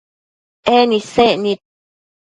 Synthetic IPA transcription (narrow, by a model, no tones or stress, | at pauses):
enĩseʔnĩt̚